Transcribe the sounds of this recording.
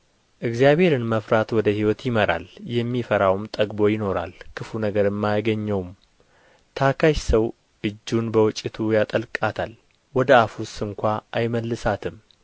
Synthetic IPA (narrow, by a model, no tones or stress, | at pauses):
ʔɨɡzijaβe̞ɾɨnməfɾat̪wɔd̪əhiwɔt̪jɪməɾa̰ljɛmːifəɾawmt̪ʼəɡʼbo̞jɪno̞ɾa̰lkʰɨfunəɡəɾɨmːajɡəɲːəwm | t̪ʰakʰaʃsəw | ʔɨd͡ʒːunbəwɔt͡ʃʼːɪt̪ʰujat̪ʼəlkʼat̪ʰal | wɔd̪əafusɨŋkʷaʔajməlːɨsat̪ʰɨm